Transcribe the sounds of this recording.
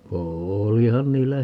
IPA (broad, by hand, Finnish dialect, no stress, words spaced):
oːlihɑn niːlːæ